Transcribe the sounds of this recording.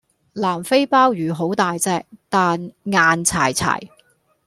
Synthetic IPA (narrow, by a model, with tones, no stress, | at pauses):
laː˨˩mfe˥jpaː˥wjyː˨ɦo˨˥wt̪aː˨jt͡sɛː˧˥k̚t̪aː˨nŋaː˨nt͡sʰa̰ː˨˩jt͡sʰa̰ː˨˩j